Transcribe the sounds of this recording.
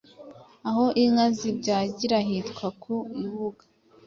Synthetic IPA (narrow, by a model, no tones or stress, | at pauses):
aɦo̞ʔiŋazibɟaːɟiɾaɦitkwakʰuiβuɡa